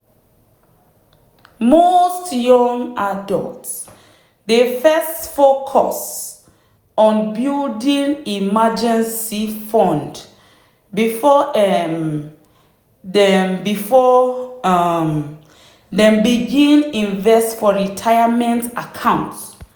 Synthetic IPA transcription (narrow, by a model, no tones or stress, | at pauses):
mostjɔ̃ŋadɔ̰lts | defɛstfokʰɔ̰s | ɔ̃nbildĩnimad͡ʒɛ̃nsifɔ̃nd | bifɔɛ | dɛmbifɔ | m | dɛ̃mbiɡĩnĩnvɛstfɔɹitʰajamɛ̃ntakʰãw̃nts